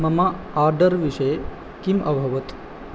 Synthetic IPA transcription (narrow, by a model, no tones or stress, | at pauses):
mɐma | aːɾɖɐɾʋiʂɐj | kimʔɐbʱɐʋɐt̪